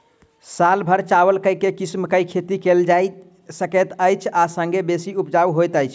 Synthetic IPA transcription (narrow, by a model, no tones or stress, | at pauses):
salbʱəɾt͡ʃawəlkəikekismkəjkʰet̪ikeld͡ʒaj | səkət̪əjt͡ʃʰasə̃ŋɡebesiupd͡ʒawɦojt̪əjt͡ʃʰ